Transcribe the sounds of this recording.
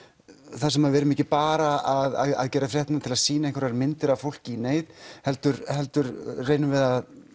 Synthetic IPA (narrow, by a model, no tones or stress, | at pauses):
θas̬ɛmaðvɛɾʏmɛcɪpaːɾaaða̰ða̰ðcɛːɾafɾjɛht̪nant̪ʰɪlaðsiːnaiŋkvaɾaɾmɪnt̪ɪɾavfowl̥cɪineːjðhɛlt̪ʏɾhɛlt̪ʏɾreːjnʏvɛðað